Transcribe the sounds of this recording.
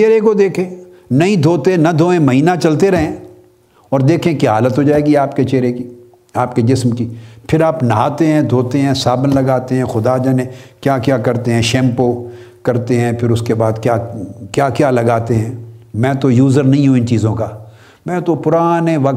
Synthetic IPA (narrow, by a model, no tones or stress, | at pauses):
t͡ʃeːɾekod̪eːkʰẽː | nɐɦĩd̪ʱoːt̪enɐd̪ʱoːẽmɐɦiːnat͡ʃɐlt̪eɾɐɦẽː | ɔːɾd̪eːkʰẽkjaːɦaːlət̪ɦod͡ʒaːeːɡiaːpket͡ʃeːɾeki | aːpked͡ʒɪsmkipʰɪɾaːpnɐaːt̪eɦɛ̃d̪ʱoːt̪eɦɛ̃saːbənlɐɡaːt̪eɦɛ̃xʊd̪ad͡ʒɐnẽkjaːkjaːkɐɾt̪eɦɛ̃ʃɛ̃ːmpo | kɐɾt̪eɦɛ̃ːpʰɪɾʊskebaːd̪kjaːkjaːkjaːlɐɡaːt̪eɦɛ̃ːmɛ̃ːt̪ojuːzəɾnɐɦĩɦũɪnt͡ʃiːzõkaː | mɛ̃ːt̪opʊɾaːneʋɐk